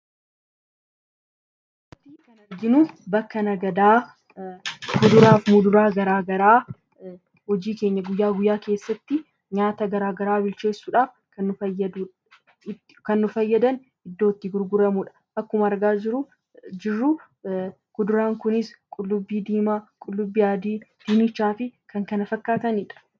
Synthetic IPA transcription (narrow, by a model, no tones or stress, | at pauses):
t̪iːkɐnɐɾɡɪnʊbɐkːɐnɐɡɐd̪aː | mʊd̪ʊɾaːfmʊd̪ʊɾaːɡɐɾaːɡɐɾaː | hɔd͡ʒiːke̞ːɲːɐɡʊjːaːɡʊjːaːke̞ːsːɐt̪ːɪ | ɲaːt̪ɐɡɐɾaːɡɐɾaːbɪlt͡ʃe̞ːsːuːᶑaːf | kɐnːʊfɐjːɐd̪u | kɐnːʊfɐjːɐd̪ɐn | ɪd̪ːo̞ːt̪ːɪɡʊɾɡʊɾɐmuːᶑɐ̥ | ʔɐkːʊmɐːɾɡaːd͡ʒɪɾʊ | d͡ʒɪrːu | ɡʊd̪ʊɾaːŋkʊnɪskʼʊlːʊbːiːd̪iːmaːkʼʊlːʊbːiːjaːd̪iːd̪̥ɪmɪt͡ʃːaːfɪkʰɐŋkɐnɐfɐkːaːt̪ɐniːᶑɐ̥